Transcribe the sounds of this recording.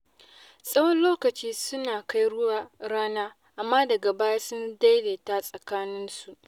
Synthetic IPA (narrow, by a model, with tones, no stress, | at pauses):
sʼɐ˦wɔ˦nloː˦kɐ˨t͡ʃiː˦sʊ˦naː˨ka˦jɽʊ˦wa˨ɽaː˦naː˦ | ʔa˨mːaː˦dɐ˨ɡa˨baː˦ja˦sʊ˦nda˦jleː˨ta˦sʼɐ˨kaː˦nɪ˦nsu˨ʔ